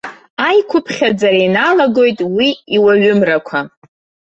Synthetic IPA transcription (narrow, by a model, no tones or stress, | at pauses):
ajkʷʰʊpʰχʲad͡zaɾajnalaɡo̞jtʼwiiwaɥʊmrakʷʰa